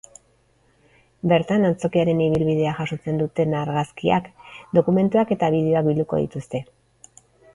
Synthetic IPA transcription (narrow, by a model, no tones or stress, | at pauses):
be̞ɾt̪anant͡so̞kiaɾe̞niβ̞ilβiðe̞aʝaso̞t͡se̞nd̪ut̪e̞naɾɣaskia̰kd̪o̞kume̞nt̪uake̞t̪aβið̞e̞o̞akbild̪uko̞̰ð̞ḭt̪ust̪e̞